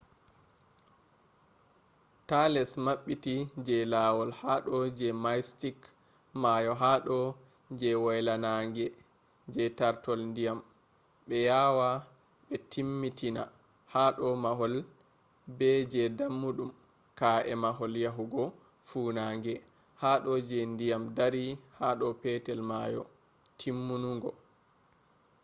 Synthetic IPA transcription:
talɛsmaɓːitid͡ʒɛlaːwɔlhaɗɔd͡ʒɛmajstik | majɔɦaɗɔ | d͡ʒɛwɔjlanaŋɡɛ | d͡ʒɛtaɾtɔlndijam | ɓɛjawa | ɓɛtʰimːitina̰ | haɗɔmaɦɔl | bɛd͡ʒɛdamːuɗum | kaʔɛmaɦɔljaɦuɡɔ | fuːnaːŋɡɛ | haɗɔd͡ʒɛndijamdaɾihaɗɔpɛtɛlmajɔ̰ | tʰimːunuŋɡɔ

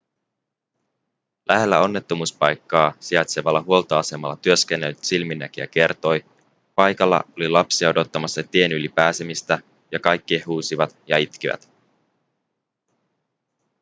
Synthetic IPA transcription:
lʔæɦe̞lːæ̰o̞nːe̞t̪ːo̞muːspɑjkːɑːsiɑt̪seʋɑlːɑɦuo̞lt̪ɑɑse̞mɑlːɑt̪yøskenːelsilminːæk̟iæ̰k̟e̞rt̪o̞j | pɑjkɑlːɑ̰olilɑpsiɑo̞do̞t̪ːɑmɑsːɑt̪ie̞nylipæːsemist̪æ | jɑkɑjkːiehuːsiʋɑt̪jɑit̪k̟iʋæ̰t̪

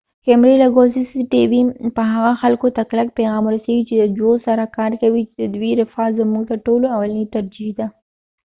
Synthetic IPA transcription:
hemɾelaɡozisiʈiwipəɦaɣaxalkot̪aklak̚peɣɑmɾoseɡit͡ʃed̪əd͡ʒosaɾakɑɾkawit͡ʃd̪əd̪wiɾɪfɑzamuɡt̪aʈoloawalanit̪aɾd͡ʒihd̪a

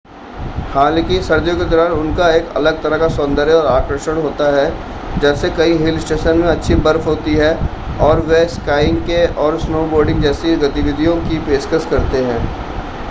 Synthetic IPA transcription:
haːlkisɐɾd̪jõked̪ɔːɾaːnʊnkaeːkɐ̰ləɡ̚t̪ɐɾəkasɔ̃nd̪əɾeɔːɾaːkɾəʃəɽ̃ɦoːt̪aɦɛ | d͡ʒɛːsekɐĩɦɪlsʈeːʃənmẽɐtːʃʰibɐɾfɦoːt̪iɦɛ | ɔːɾʋeskaːɪ̃ŋɡkeɔːɾsnoːboːɾɖɪ̃ŋɡd͡ʒɛːseɡɐt̪ɪʋɪd̪ʱijõkipeːskəskɐɾt̪eɦɛ̃ː

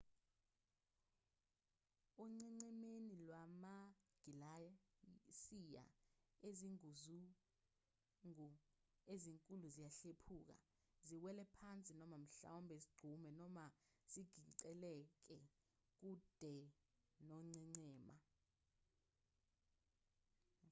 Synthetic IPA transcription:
uŋ͡ǀɛŋ͡ǀɛmenilwamaɡ̥ʱila | sija̰eziŋuzu | ŋu | eziŋkʼuluzijaɬepʰuːk̬a̰ | ziwɛlɛpʰant͡sʼinɔmam̩ɬa̰wɔmbʱeziɡ͡ǀʱumɛnɔma | z̥iɡ̥ʱiǀɛlɛk̬ɛ | k̬ud̥ʱɛ | nɔŋ͡ǀɛŋ͡ǀɛːma

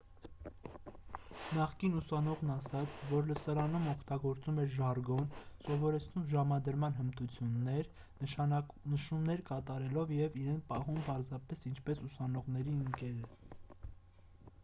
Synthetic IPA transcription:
nɑχkinusɑnɔʁnɑsɑt͡sʰvɔɾləsɑɾɑnumɔkʰt̪ɑɡɔɾt͡sumɛɾʒɑɾɡɔnsɔvɔɾɛt͡sʰnumʒɑmɑd̪əɾmɑnɦəmt̪ut͡sʰjunːɛɾ | ə | nəʃumnɛɾkɑt̪ɑɾɛlɔvjɛviɾɛnpɑɦumpɑɾzɑpɛsint͡ʃʰpɛsusɑnɔʁnɛɾiəŋkɛɾə

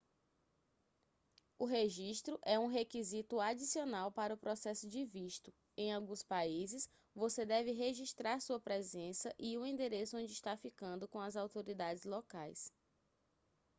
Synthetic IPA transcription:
ʊɦeʒiʃt̪ɾʊʔɛũɦekizit̪ʊad͡ʒisionawpaɾɐʊpɾɔsɛsʊd͡ʒɪviʃt̪ʊ | ẽj̃awɡũspaizɪs | vosed̪ɛvɪɦeʒiʃt̪ɾaɾsuɐpɾɛzẽsɐʔiʊĩnd̪eɾesʊõd͡ʒɪiʃt̪afikɐ̃nd̪ʊkõɐzawt̪oɾid̪ad͡ʒɪzlɔkajs

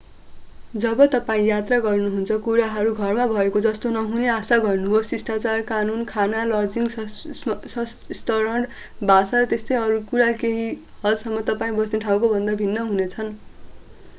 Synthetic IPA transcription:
d͡zʌbʌt̪ʌpaĩjat̪raɡʌrnuɦunt͡sʰʌkuɾaɦʌɾuɡʱʌrmabʱʌekod͡zʌst̪onʌɦuneasaɡʌrnuɦost͡sisʈat͡sarkanunkʰanalʌd͡ziŋɡ | sʌst̪ʌɾʌɳɖ | bʱasaɾʌt̪est̪ʌjʌɾukuɾakeɦi | hʌd͡zsʌmːʌt̪ʌpaĩbʌsneʈʰaw̃kobʱʌnd̪abʱinːʌɦunet͡sʰʌn

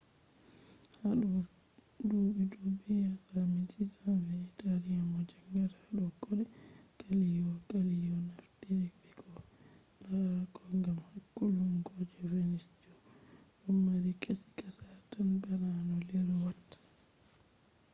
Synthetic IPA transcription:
haɗɔ | dubidubɛjakamisʼisanvɛːtaɾiamɔd͡ʒaŋɡaɾaɗɔɡɔɗɛɡ̥alijɔɡalijɔnafdiɾibɛkɔ | laɾakʰɔŋɡamhakːulumɡɔd͡ʒɛvenisd͡ʒɔʔumːaɾikʰʼesi̥kasatanbaɾanɔlɛɾɔwatːḁ

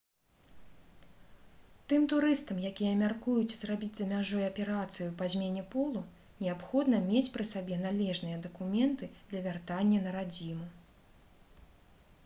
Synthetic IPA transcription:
t̪ɨmt̪uɾɨst̪ɐmjakʲijɐmʲarkujut͡sʲzrabʲid͡zʲzɐmʲaʐɔjɐpʲɛɾat̪sɨjupazʲmʲenʲɛpɔlˠu | nʲɛapxɔd̪nɐmʲet͡sʲpɾɨsabʲɛnalʲɛʐnɨjɐd̪ɐkumʲɛnt̪ɨd̪lʲɐvʲart̪anʲːɐnɐɾad͡zʲimu

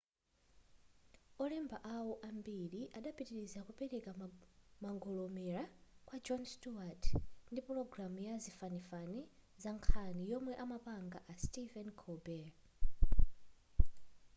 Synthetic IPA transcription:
ɔlɛmbaʔawɔʔambiɾiʔaɗapitiɾizakupɛɾɛkamaŋɡɔlɔmɛɾakwad͡ʒɔnstuatndipuɾɔɡɾamujazifanifani | zaŋkʰanijɔmwɛʔamapaŋɡaʔastivɛnkʰɔbɛ

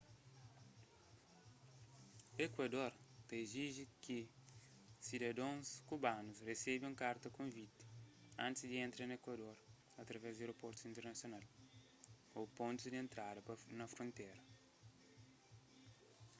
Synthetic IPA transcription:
ekwɐd̪oɾt̪ɐeziʒiki | sid̪ɐd̪õskubanusresebiũkaɾt̪ɐkõnvit̪i̥ãnt̪izd̪iẽnt̪ɾɐnɐekwɐd̪oɾ | ɐt̪ɾɐvɛzd̪eɾopɔɾt̪u̥sĩnt̪eɾnɐsjonal | opõnt̪uzd̪ẽnt̪ɾad̪ɐpnɐfɾõnt̪ɛɾɐ

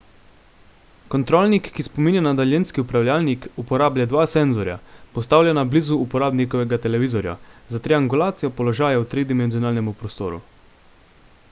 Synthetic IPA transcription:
kɔnt̪ɾoːlnikːispominʲjanad̪aljenskiupɾawlʲjalnikupɔɾaːbljad̪ʋaːsɛnzɔɾja̰pɔst̪aːwlʲjʲanablizuupɔɾaːbnikɔʋɛɡat̪ɛlɛʋiːzɔɾja̰zat̪ɾiaŋɡulaːt̪sijɔpɔlɔʒaːjaut̪ɾid̪imɛnzijɔnaːlnɛmupɾɔst̪o̰ːɾṵ

